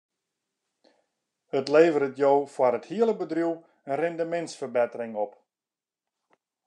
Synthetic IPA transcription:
ətleːvəɾətjoːfwarəthiələbədrjuw | ənrɛndəmɛntsfərbɛtərɪŋɔp

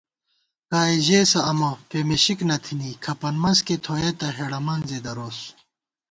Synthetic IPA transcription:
kaːiʑeːsɐɐmopemeɕiknɐt̪ʰinikʰɐpɐnmɐnsket̪ʰoːet̪ɐɦeɽɐmɐnzed̪ɐɾoːs

